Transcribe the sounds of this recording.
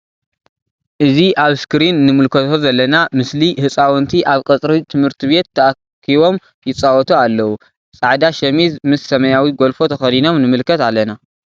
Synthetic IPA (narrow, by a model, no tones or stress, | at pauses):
ʔɨziʔaβskɾinːɨmɨlkʰɐt̪ʰo̞zɐlːɐnamɨslihɨt͡sʼawɔnt̪ʰiʔaβkʼɐt͡sʼɾiit̪ʰɨmhɨɾt̪ʰiβe̞t̪ʰːɐʔa | kʰːiβo̞m | jɪt͡sʼawɔt̪ʰualːɐwu | t͡sʼaʕd̪aʃɐmizmɨsːɐmɐjawiɡo̞lfo̞t̪ʰɐxɐd̪ino̞mnɨmɨlkʰːɐt̪alːɐna